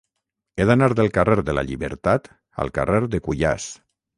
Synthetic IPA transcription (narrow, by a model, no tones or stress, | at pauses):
eðanaɾðelˠkareɾðela̰ʎiβəɾt̪at̪ | a̰lˠka̰reɾðekuʎa̰s